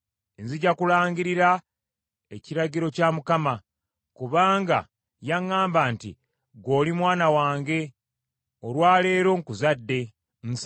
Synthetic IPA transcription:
enziɟakulaːɲɟiɾiɾa | e̞ciɾaɟiɾo̞camukama | kuβaːŋɡa̰ | jaŋːaːmbaːntḭ | ɡo̞ːlimwaːnawaːŋɡe̞ | olwaːle̞ːɾo̞ŋkuzadːe̞ | n̩s

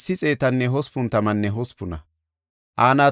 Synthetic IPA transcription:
sːɪt͡sʼe̞ːt̪ɐnːɛɦɔspʊnt̪ɐmɐnːɛɦɔspʊnɐ | ʔaːnaː

